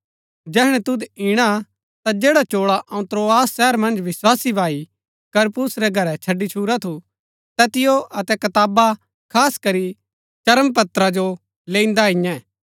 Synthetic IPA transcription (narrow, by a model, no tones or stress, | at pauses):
d͡ʒɛːɦɽ̃ɛ̃t̪ʊd̪iɽ̃a | t̪ad͡ʒeːɽat͡ʃoːɭaʔɐũt̪ɾoːaːsːɛːɾmɐ̃nd͡ʒʋɪswaːsibʱaːi | kɐɾpʊsɾɛɡʱɐɾɛt͡ʃʰɐɖːit͡ʃʰuːɾat̪ʰu | t̪ɛːt̪ɪjoʔɐt̪ɛkɐt̪aːba | kʰaːskɐɾi | t͡ʃɐɾəmpɐt̪ɾad͡ʒo | lẽːĩnd̪aɦɪ̃jɛ̃ː